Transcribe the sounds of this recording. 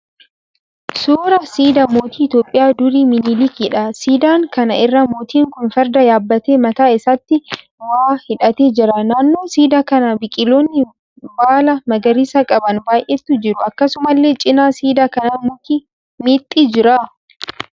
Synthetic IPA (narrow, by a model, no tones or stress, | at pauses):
suːɾɐsiːd̪ɐmo̞ːt̪iːɪt̪joːpʼːɪjaːd̪ʊɾiːmɪniːlɪkiːᶑɐsiːd̪aːŋkɐnɐʔɪrːɐmoːt̪iːŋkʊnfɐɾd̪ɐjaːbːɐt̪e̞ːmɐt̪aːɪsɐt̪ːɪ | waːhɪᶑɐt̪e̞ːd͡ʒɪɾɐnaːnːo̞ːsiːd̪ɐkɐnɐbɪkʼɪloːnːɪ | baːlɐmɐɡɐɾisɐkʼɐbɐnbaːjʔɛt̪ːʊd͡ʒɪɾʊɐkːɐsʊmɐlːe̞ːt͡ʃʼɪnaːsiːd̪akɐnamot̪iː | miːt̪ʼːiːd͡ʒɪɾɐ